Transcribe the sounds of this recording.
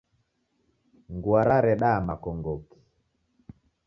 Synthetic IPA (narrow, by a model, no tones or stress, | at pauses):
ŋɡwaɾaɾɛɗamakɔŋɡɔki̥